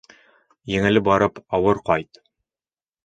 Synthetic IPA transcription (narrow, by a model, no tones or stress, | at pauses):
jɘ̆ŋɘ̆lɘbɒɾɤpɒwɤɾqɒjt̪